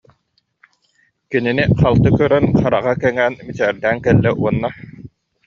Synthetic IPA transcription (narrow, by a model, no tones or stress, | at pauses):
kininiχalˠt̪ɯkœɾɛnχaɾaʁakɛŋɛːnmit͡ɕɛːɾd̪æːŋkɛlːɛʔuɔnːa